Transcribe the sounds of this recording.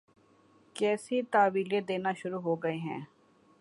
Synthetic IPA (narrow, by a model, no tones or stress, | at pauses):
kɛːsit̪aːʋiːled̪eːnaʃʊɾuɦoːɡɐeɦɛ̰̃ː